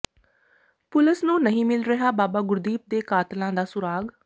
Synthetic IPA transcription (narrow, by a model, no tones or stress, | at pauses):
pʊləsnũːnəɦĩːmɪlɾəɦaːbaːbaːɡʊɾd̪iːp̚d̪eːkaːt̪lãːd̪aːsʊɾaːɡ